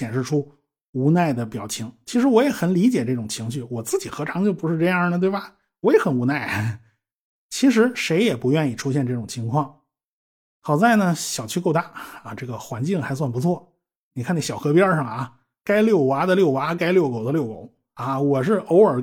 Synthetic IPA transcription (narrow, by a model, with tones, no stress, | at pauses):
ɕjɛ˨˩nʂɻ̩˥˩ʈ͡ʂʰu˥ | u˧˥na˥˩ɪd̪ə˩pjɑ˨˩ʊt͡ɕʰi˧˥ŋt͡ɕʰi˧˥ʂɻ̩˧˥wɔ˧˥jɛ˨˩xə˨˩nli˧˥t͡ɕjɛ˨˩ʈ͡ʂɤ˥˩ʈ͡ʂʊ˨˩ŋt͡ɕʰi˧˥ŋɕ̬y˥˩wɔ˨˩t͡sɹ̩˥˩t͡ɕi˨˩xɤ˧˥ʈ͡ʂʰɑ˧˥ŋt͡ɕjo˥˩ʊpu˧˥ʂɻ̩˥˧ʈ͡ʂɤ˥˧jɑ˥˩nə˩t̪we˥˩bɐ˩ | wɔ˧˥jɛ˧˥xə˨˩nu˧˥na˥˩ɪ | t͡ɕʰi˧˥ʂ̬ɻ̩˧˥ʂe˧˥ɪjɛ˨˩pu˧˥jɥɛ˥˧ni˥˩ʈ͡ʂʰu˥ɕ̬jɛ˥˧nʈ͡ʂɤ˥˩ʈ͡ʂʊ˨˩ŋt͡ɕʰi˧˥ŋkʰwɑ˥˩ŋ | xɑ˨˩ʊt͡sa˥˩ɪnə˩ɕjɑ˨˩ʊt͡ɕʰy˥˧ko˥˧ʊt̪a˥˩a˧ʈ͡ʂɤ˥˩ɡə˩xwa˧˥nt͡ɕi˥˩ŋxa˧˥ɪswa˥˩npu˧˥t͡sʰwɔ˥˩ | ni˨kʰa˥˧n˥˩ɕjʊxɤ˧˥pjɛ˥ʂə˥˩ŋə˩˧ | ka˥ɪljo˥˩ʊwa˧˥d̪ə˧ljo˥˩ʊwa˧˥ka˥ɪljʊko˨˩ʊd̪ə˦ljo˥˩ʊko̰˨˩˦ʊ | ɐ˥˧wɔ˨˩ʂɻ̩˥˩ʔo˧˥ʊə˞˨˩